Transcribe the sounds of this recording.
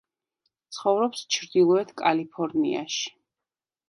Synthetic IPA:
t̪sʰχɔvɾɔpst͡ʃʰɾd̪ilˠɔɛt̪ʰkʼalipʰɔɾnḭa̰ʃi̥

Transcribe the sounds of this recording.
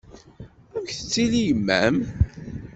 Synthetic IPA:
æmçθə̥t͡sːilijəmːæ̰m

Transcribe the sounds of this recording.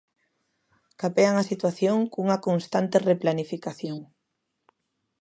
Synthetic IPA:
kapeaŋasit̪waθjoŋkuŋɐkonst̪ant̪ereplanifikaθjoŋ

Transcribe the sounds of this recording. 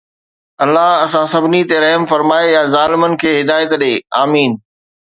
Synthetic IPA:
ɐlːaɦɐsãsɐbʱɪnit̪eɾɐɦmfɐɾmaːejazaːlɪmənɪ̆kʰeːɦɪd̪aːjət̪ɗeːaːmiːn

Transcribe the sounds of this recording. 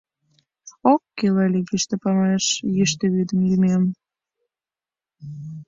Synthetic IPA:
okːelɑlʲiɣiʃt̪ĕpɑmeʃjiʃ̬t̪ĕβyd̪əmjymem

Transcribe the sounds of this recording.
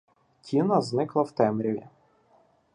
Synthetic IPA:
tʲʰinɐznɪklˠɐwt̪ɛmɾʲii

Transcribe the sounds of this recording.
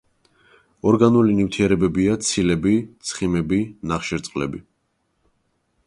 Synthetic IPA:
ɔɾɡanulinivt̪ʰiɛɾɛbɛbiat̪sʰilɛbit̪sʰχimɛbinaχʃɛɾt̪sʼqʼlɛbi

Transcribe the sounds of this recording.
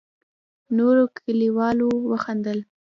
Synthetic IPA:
noɾokʰəliwɑlowəxand̪əl

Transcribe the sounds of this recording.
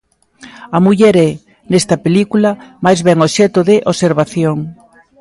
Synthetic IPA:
ɐmuʎɛɾɛ | nest̪ɐpelikulɐmajzβɛŋoʃɛt̪oðɪʔoseɾβaθjoŋ

